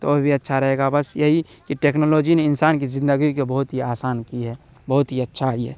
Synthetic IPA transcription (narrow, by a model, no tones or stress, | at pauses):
t̪o̰obʱiɐtːʃʰaɾɐɦeːɡabɐsjɐɦikiʈeːknoːloːd͡ʒineɪnsaːnkizɪ̃nd̪əɡikebəɦʊt̪ɦiaːsaːnkiɦɛː | bɐɦʊt̪ɦiətːʃʰaɦiɦɛ̰ː